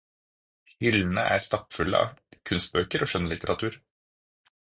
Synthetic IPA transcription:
hʏln̩əʔæːɾst̪ɑpfʉlə̰ʔɑ̰kʰʉnst̪̚bøːkəɾoːʃœnəlɪt̪əɾʔɑt̪ʰʉːɾ

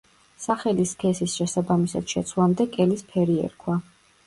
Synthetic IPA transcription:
saχɛliskʰɛsisʃɛsabamisa̰d̪̥ʃɛt̪sʰwlˠamd̪ɛkʼɛlispʰɛɾiɛ̰ɾkʰwa

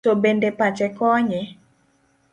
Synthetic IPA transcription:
obendepat͡ʃɛkɔɲɛ

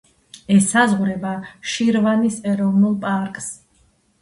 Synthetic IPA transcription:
ɛsazʁɾɛbaʃiɾvanisɛɾɔvnulˠpʼaɾkʼs

